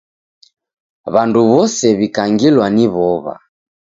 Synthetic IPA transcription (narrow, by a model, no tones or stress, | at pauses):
βanduβɔsɛβikaŋɡilwaniβɔβa̰